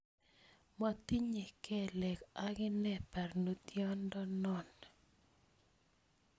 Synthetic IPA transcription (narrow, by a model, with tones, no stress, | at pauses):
ma˨t̪i˦ɲe˨kʰɛ˦lɛ˨ka˦ɡɪ˦nɛ˦pa˨rno˦t̪jɔ˦ndɔ˦nɔ˦˨n